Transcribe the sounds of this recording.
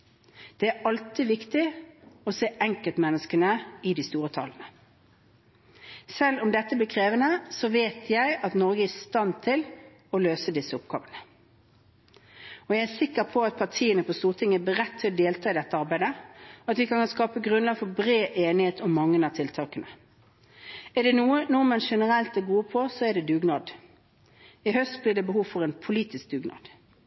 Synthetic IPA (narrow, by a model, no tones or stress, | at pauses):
d̪̥ɛæɾɑlt̪iʋɪkt̪ɪɔseːʔɛŋkəlt̪mɛnːəskənəɪd̪ɪst̪uːɾət̪ʰɑ̰ːlənə | sɛlːʊmd̪ɛt̪ːəbliːkʰʁeːʋənəsɔʋeːt̪ʰjæɪɑt̪nɔʁɡəæst̪ɑnt̪ʰɪl | ɔløːsəd̪ɪsːəʊp̚ɡ̥ɑ̰ːʋənə | ɔjæɪæsɪkːəɾpʰɔɑt̪̚pʰɑʁʈʰiːənəpʰɔst̪uːʁt̪ʰɪŋːəbliːɾɛt̪ʰːɪlɔd̪eːlt̪ʰɑːɪd̪ɛt̪ːəɑɾbæɪd̪əɔɑt̪ʋɪkʰɑnkɑnskɑːpəɡʁʉnlɑːɡfɔbʁeːʔeːnɪheːt̪ʊmːɑŋːənɑt̪ʰɪlt̪ʰɑːkənə | æɖɛnuːənuəmɑnʂɛnəɾɛlt̪æɡuːəpʰɔsɔɛɖɛd̪ʉːɡnɑːd̪ | ɪɦœst̪blɪːʁɖɛbəhuːʋfɔʁɛːnpʰʊliːt̪ɪsk̚d̪ʉːɡnɑ̰ːd̪̥